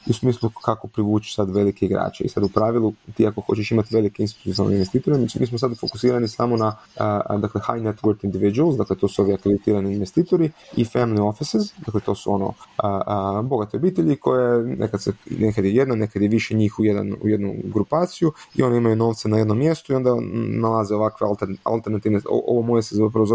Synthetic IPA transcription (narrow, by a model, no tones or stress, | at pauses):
iusmiːslˠukako̞pɾiʋuːt͡ʃi̥sad̪ʋe̞likeiɡɾa̰ːt͡ʃeḭsad̪upɾaːʋilˠut̪iːako̞xo̞t͡ɕeʃimat̪ʋe̞likeinst̪i̥t̪unalneinʋest̪iːt̪o̞ɾeimiːs̬mos̬ad̪fo̞kusiːɾanisaːmo̞na | d̪akle̞xa̰jnet̪ʋəɾt̪ind̪iʋid͡ʒualˠsd̪akle̞t̪o̞ːsuo̞ʋiakɾed̪it̪iːɾaniːnʋe̞st̪iːt̪o̞ɾiḭfamilio̞fisizd̪akle̞t̪o̞ːsuo̞no̞̰əbo̞ɡat̪iobiːt̪eʎiko̞jenʔekad̪senekad̪jejed̪nane̞kad̪jeʋiʃeɲiːxujed̪a̰nṵje̞d̪nuɡɾupaːt̪sijuḭo̞nimajuno̞ːʋt̪senaje̞d̪no̞mːje̞st̪uio̞nd̪analazeo̞ʋakʋealt̪eɾa̰lˠt̪eɾnat̪iːʋneo̰ʔo̰ʋomojesezapɾaozo